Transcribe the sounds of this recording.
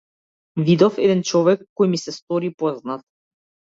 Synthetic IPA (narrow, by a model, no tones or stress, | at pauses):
vid̪ɔfɛd̪ɛnt͡ʃɔvɛkːɔjmisɛst̪ɔɾipɔznat̪̚